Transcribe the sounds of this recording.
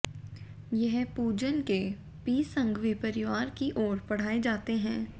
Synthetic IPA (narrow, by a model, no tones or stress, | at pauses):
jɛɦpuːd͡ʒənke | piːsə̃ŋɡʋipəɾɪʋaːɾkiʔɔːɾpɐɽ̤aːed͡ʒaːt̪eɦɛ̃ː